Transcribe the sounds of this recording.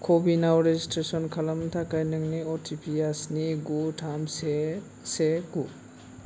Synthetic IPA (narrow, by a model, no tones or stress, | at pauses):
kʰobinawɾed͡ʒistɾesɔnkʰalamtʰakajnɯŋniɔtʰipʰiasniɡutʰamse | seɡu